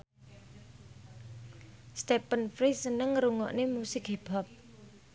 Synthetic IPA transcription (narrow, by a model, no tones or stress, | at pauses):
st̪ɛpənfɾisənəŋɾuŋɔ̰ʔnemusɪkeb̥ɔp̚